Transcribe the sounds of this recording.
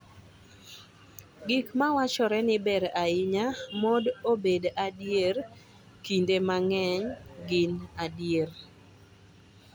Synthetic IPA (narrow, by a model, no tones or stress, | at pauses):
ɡikmawat͡ʃɔɾɛnɪbɛɾaɪɲamɔdobedadjer | kindemaŋɛɲɡɪnadjer